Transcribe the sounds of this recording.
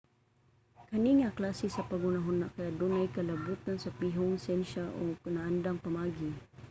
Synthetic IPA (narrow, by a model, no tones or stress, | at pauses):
kaniŋaklasisapaɡʊnaɦʊnakajaʔd̪unajkalabut̪ansapiɦʊŋsɛnʃaʔoknaʔand̪aŋpamaːɡi